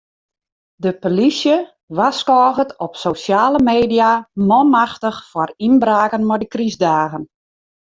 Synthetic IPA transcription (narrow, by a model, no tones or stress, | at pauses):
dəpolisjə | ʋaskɔːɣətɔpsosjaːləmeːdijamɔmaxtəxfɔrinbraːkənmɔdəkrizdaːɣən